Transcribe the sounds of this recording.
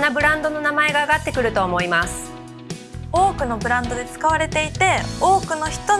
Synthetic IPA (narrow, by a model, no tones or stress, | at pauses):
nːabɯ̟ɾãnd̪o̞no̞namae̞ɡaːɡat̪ːekɯ̟ɾɯ̟t̪o̞ːmo̞imasɨ̥ | o̞ːkɯ̟no̞bɯ̟ɾãnd̪o̞d̪e̞t͡sɨ̥kaβ̞aɾe̞t̪e̞it̪e̞o̞ːkɯ̟no̞çi̥t̪o̞